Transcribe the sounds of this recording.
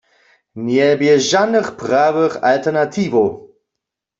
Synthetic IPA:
njɛbjɛʒanəχpʁaːwəχa̰ltɛʁnatʰiːvo

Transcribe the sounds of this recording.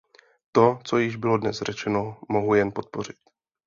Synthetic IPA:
t̪o̞t͡so̞jɪʒbɪlo̞dnɛsr̝ɛt͡ʃɛno̞moɦujɛnpo̞t̪̚po̞r̝ɪt̪

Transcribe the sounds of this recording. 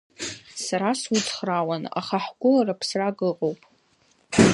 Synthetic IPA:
saɾaswʊtʰχrawana̰χaħɡʷʊlaɾapʰsraɡɨqʼowpʼ

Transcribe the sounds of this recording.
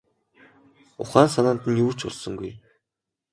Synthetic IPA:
ʊ̰χaːnsanant̪ɘ̆njuːt͡ɕʊ̰ɮsɞ̆ŋɡuj

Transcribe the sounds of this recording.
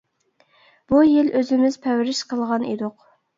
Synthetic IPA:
b̥ujɪløzɪmɪz̥pʰɛwɾɪʃqʰəlˠʁɑnḛd̪oq

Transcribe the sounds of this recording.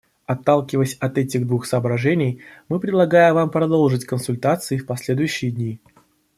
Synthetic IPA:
ɐt̪ːalˠkʲɪvəsʲɐt̪ɛtʲɪɣd̪vuxsəɐbɾɐʐɛnʲɪjmɨpɾʲɪd̪lˠɐɡajɪvampɾɐd̪olˠʐɨtʲkənsʊlʲt̪at̪sɨɪfpɐsʲlʲe̞d̪ʊjʉɕːɪjədʲnʲi

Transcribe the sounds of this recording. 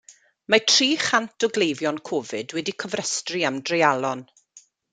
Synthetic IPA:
matʰriːχantʰɔɡlˠejvjɔnkʰɔvɨ̰dwɛdikʰəvrɛstriamdrɛjalˠɔn

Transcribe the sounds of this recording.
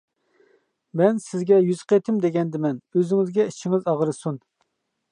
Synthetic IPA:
mɛnsɪzɡʲɛjyzqʰet̪ʰɪmd̪eɡʲɛnd̪ɪmɛnøzɪŋɪzɡʲɛit͡ʃʰːɪŋɪzɑʁɾɨsun

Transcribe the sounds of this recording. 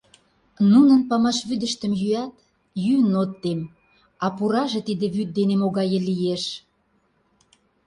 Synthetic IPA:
nunənpɑmɑʃβyd̪ə̆ʃt̪ə̆mjyæt̪ | jynot̪ːem | ɑpuɾɑʒĕt̪id̪ĕβyt̪̚d̪enemoɣɑjəlijeʃ

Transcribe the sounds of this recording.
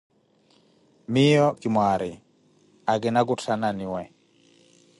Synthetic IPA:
mɪjɔkimwaɾɪ | aɡɪnaɡutʰananɪwɛ

